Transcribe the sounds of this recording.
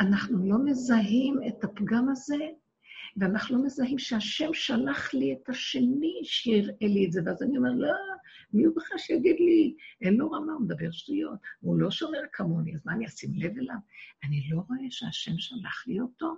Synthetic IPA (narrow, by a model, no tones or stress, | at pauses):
anaχnulo̞me̞zaɦimetapɡamaze | veanaχnulo̞mezaɦimʃeaʃemʃalaχlietaʃe̞niʃejiʁelietzeveazaniomeʁlomiubeχaʃejaɡid̪lienloʁamaumed̪abe̞ʁʃtujo̞̰tulo̞ʃo̞meʁkʰamoniazmaniasimle̞velavanilo̞ʁo̞ʔe̞ʃeaʃe̞mʃala̰χlioto̞